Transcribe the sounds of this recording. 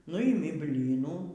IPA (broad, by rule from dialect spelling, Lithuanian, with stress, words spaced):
ˈnʊɪmʲɪ ˈbʲlʲiːnuː